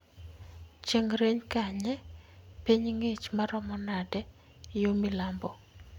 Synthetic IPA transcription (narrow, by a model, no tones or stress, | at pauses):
t͡ʃeŋɾeɲkaɲɛpiɲŋet͡ʃmaɾɔmɔnadɛ | jomilambɔ